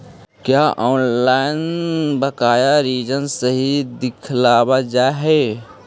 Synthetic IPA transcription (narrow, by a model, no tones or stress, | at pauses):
kjaːʔɔːnlaːɪnbəkaːjaɾiːd͡ʒənsəɦid̪ɪkʰlaːbad͡ʒaːɦe